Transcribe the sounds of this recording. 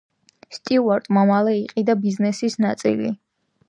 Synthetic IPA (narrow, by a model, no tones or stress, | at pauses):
st̪ʼiuaɾt̪ʼmamalɛiqʼid̪abiznɛsisnat̪sʼḭlḭ